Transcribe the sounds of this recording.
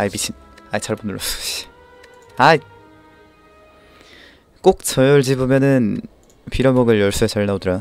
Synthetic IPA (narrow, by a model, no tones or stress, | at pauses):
ajbit͡ɕʰin | ait͡ɕʰaɭbundɭosɕ | ai | k͈ok̚t͡ɕʰʌjʌɭd͡ʑibomjʌnɯn | pʰiɾʌmʌɡɯɭjʌɭs͈uet͡ɕaɭnaodɯɾa